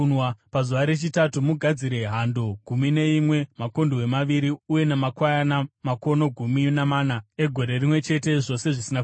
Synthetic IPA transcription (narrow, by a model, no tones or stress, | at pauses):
pazuʋaɾe̞t͡ʃitatumuɡʱad͡ziɾe̞ɦando̞ɡʱumine̞imwe̞mako̞ndowe̞maʋiɾiuje̞namakwajanamako̞no̞ɡʱuminamaːnae̞ɡʱo̞ɾe̞rimwe̞t͡ʃe̞te̞ʐo̞se̞ʐisina